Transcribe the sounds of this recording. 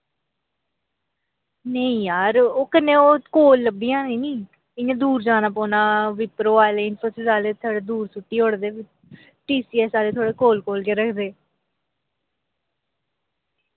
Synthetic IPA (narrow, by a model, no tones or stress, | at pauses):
nəĩːjaːɾoːkənːẽːoːkoːlːəbːiːãːniːnĩː | ɪãːd̪uːɾd͡ʒaːnaːpɔːnaːʋɪpɾoːaːleːɪnpʰoːsɪsaːleːt̪ʰaːɽeːd̪uːɾsʊʈːiːɦoːɽd̪eːɪ | ʈiːsiːɛːsaːleːt̪ʰoːɽeːkoːlkoːlkeːɾəkʰd̪eː